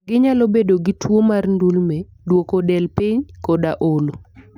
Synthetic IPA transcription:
ɡɪɲalobedoɡɪtwomarndulme | dwokodɛlpɪɲkɔdaʔolo

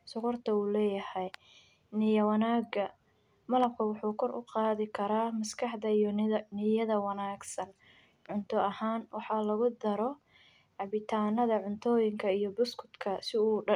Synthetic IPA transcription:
sʊʁʊrt̪ʰɐuːlɛːjɐhɛj | nɪjɐwɐnaːɡɐ | mɐlɐb̚kʰɐwɑħuːkʰɔrʔʊ̰qɑːðɪkʰɐɾaːmɐskʰɑħd̪ɐijnɪjɐðɐwɑnaːɡsɐn | ʕʊnt̪ʰɔɐhaːnwɑħɑːlɐɣʊd̪ɐɾɔ | ʕɑβɪt̪ʰaːnɐðɐʕʊnt̪ʰɔːjɪŋkʰɐijɔbʊskʰʊ̥t̪kʰɐsɪuː

